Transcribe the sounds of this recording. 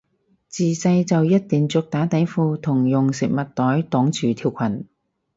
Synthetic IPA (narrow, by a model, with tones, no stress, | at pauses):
t͡siː˨t͡sɐ˧jt͡sɐ˨wjɐ˥t̚t̪iː˨˩ŋt͡sʊ˧k̚t̪aː˨˥t̪ɐ˨˥jfuː˧t̪ʰʊ˨˩ŋjʊ˨ŋsɪ˨k̚mɐ˨t̚t̪ɔː˨˥jt̪ɔː˨˥ŋt͡sʰyː˨˩t̪ʰiː˧wkʷʰɐ˨˩n